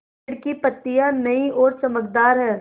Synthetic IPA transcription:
ɽkipɐt̪ːijãnɐiɔːɾt͡ʃɐməkd̪aːɾɦɛː

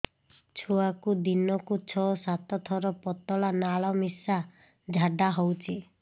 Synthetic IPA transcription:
t͡ʃʰuakud̪inɔkut͡ʃʰɔsat̪ɔt̪ʰɔɾɔpɔt̪ɔlanaɭɔmisa | d͡ʒʱaɖaɦowt͡ʃʰi

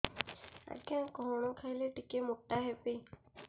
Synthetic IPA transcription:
a̰ɡjãkɔɦɔɽ̃ɔ̃kʰajleʈikemuʈːaɦepi

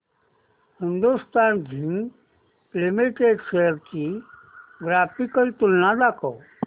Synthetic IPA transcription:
hɪnd̪ust̪aːnd͡ʒʱĩŋ | plimiʈeɖseəɾt͡ʃi | ɡɾaːpikəlt̪ulnad̪aːkɔw

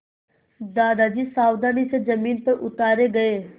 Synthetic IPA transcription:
d̪aːd̪ad͡ʒiːsaːwd̪aːnisezɐmiːnpɐɾʔʊt̪aːɾeɡɐeː

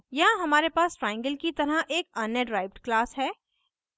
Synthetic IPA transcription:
jɐɦãɦɐmaːɾepaːsʈɾaːɪ̃ŋɡəlkit̪ɐɾəʔeːkɐnjəɖɾaːɪʋɖklaːsɦɛː

